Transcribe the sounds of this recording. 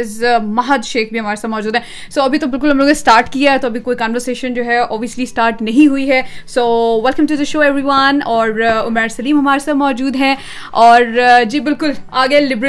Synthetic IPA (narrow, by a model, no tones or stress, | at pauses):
ɪzmɐɦəd̪ʃeːxbʱiɦɐmaːɾesaːt̪̚mɔːd͡ʒuːd̪ɦɛ̃ | soːɐbʱit̪obɪlkʊlɦɐmloːɡesʈaːɾʈkijaɛt̪oɐbʱikoːikãːnʋəɾseːʃə̃nd͡ʒoːɦɛɔːbʋiəslisʈaːɾʈnɐɦĩɦuiɦɛːsoːʋɛlkɐ̃mʈud̪əʃoːɛʋɾiʋɐnɔːɾʊmɛːɾsɐliːmɦɐmaːɾesaːt̪mɔːd͡ʒuːd̪ɦɛ̃ | ɔːɾd͡ʒiːbɪlkʊlaːɡelɪbɾ